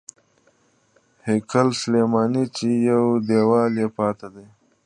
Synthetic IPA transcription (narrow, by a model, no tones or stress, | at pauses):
hekʰalsəlemɑːnit͡ʃijawd̪ewɑːljepɑːt̪ad̪e